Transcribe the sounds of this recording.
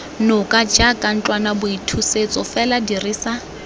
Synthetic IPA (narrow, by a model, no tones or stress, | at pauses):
nʊkʼad͡ʒakʼan̩t͡ɬʼwanabʊitʰuset͡sʼɔfɛladiriːsa